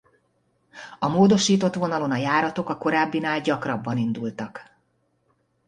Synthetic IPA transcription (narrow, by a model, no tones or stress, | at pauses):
ɒmoːd̪o̞ʃiːt̪o̞t̪ʋo̞nɒlo̞nɒjaːɾɒt̪o̞kɒko̞ɾaːbːinaːlɟɒkrɒbːɒnind̪ult̪ɒk